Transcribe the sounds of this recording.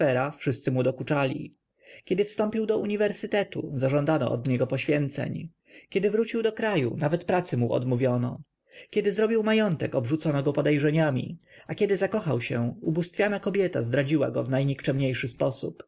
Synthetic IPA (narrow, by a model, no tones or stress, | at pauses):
ɛɾafʂɘst̪sɘmud̪ɔkut͡ʂalʲḭ | kʲɛd̪ɘfst̪ɔmpʲiwd̪ɔuɲivɛɾsɘt̪ɛt̪ṵzaʐɔnd̪anɔ̰ʔɔ̰d̪ɲɛɡɔpɔɕfʲjɛnt̪sɛ̰ɲ | kʲɛd̪ɘvɾut͡ɕiwd̪ɔkɾajṵnavɛt̪pɾat̪sɘmuʔɔ̰d̪muvʲjɔnɔ | kʲɛd̪ɘzɾɔbʲiwmajɔnt̪ɛkɔbʐut̪sɔnɔɡɔpɔd̪ɛjʐɛɲamʲḭakʲɛd̪ɘzakɔxawɕɛ̰ubust̪fʲjanakɔbʲjɛt̪a̰zd̪ɾad͡ʑiwa̰ɡɔvnajɲikt͡ʂɛmɲejʂɘspɔsup